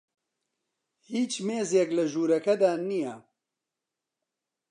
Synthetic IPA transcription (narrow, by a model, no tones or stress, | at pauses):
hiːt͡ʃmeːzjɛklɐʒuːɾɐkɐd̪aːnijɛ